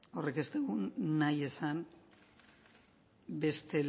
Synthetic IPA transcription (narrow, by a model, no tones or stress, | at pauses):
o̞reke̞st̪eɣunːaje̞san | be̞st̪e̞l